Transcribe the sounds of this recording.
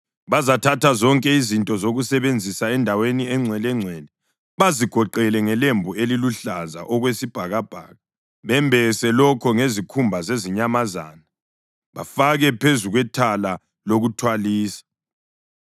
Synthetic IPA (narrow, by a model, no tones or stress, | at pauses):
βazatʰatʰazɔŋkʼɛizintʼɔzoɣusɛβend͡zʱisaɛndʱaweniɛŋ͡ǀʱwɛlɛŋ͡ǀʱwɛlɛ | βaziɡ̥ʱɔǃɛlɛŋɛlembʱueliluɬaza̰ʔɔɣwesib̥ʱaɣab̥ʱa̰ːɣa | βɛmbʱɛsɛlɔkʰɔŋezikʰumbʱazeziɲamaza̰ːna | βa̰faɣɛpʰezuɣwɛtʰala | loɣutʰwaliːsḁ